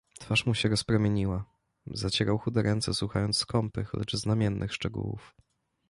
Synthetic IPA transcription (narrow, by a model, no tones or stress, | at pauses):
t̪faʂmuɕɛɾɔspɾɛmʲjeɲiwa | zat͡ɕɛɾawxud̪ɛɾɛnt̪sɛswuxajɔnt̪sskɔmpɘ̰xlɛ̰t͡ʂznamʲjɛnːʔɘxʂt͡ʂɛɡṵwṵf